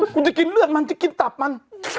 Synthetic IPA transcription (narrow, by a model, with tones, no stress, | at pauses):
ku˧˦t̪i˨˧ki˧nlɯ˦ɐ˨nma˧nt̪i˦ki˦nt̪a˨p̚ma˧n